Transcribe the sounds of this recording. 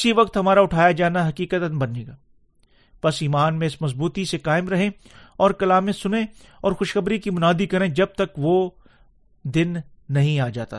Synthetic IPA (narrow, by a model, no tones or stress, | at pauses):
ɪsiʋɐk̚t̪ɦɐmaːɾaʊʈʰaːjad͡ʒaːnaɦɐkiːkət̪ənbɐneːɡaː | pɐsiːmaːnmẽɪsmɐzbuːt̪isekaːɪmɾɐɦẽ | ɔːɾkɐlaːmẽsʊnẽ | ɔːɾxʊʃxɐbɾikimʊnaːd̪ikɐɾẽd͡ʒɐb̚t̪ɐkʋo | d̪ɪnːɐɦĩaːd͡ʒa̰ːt̪a̰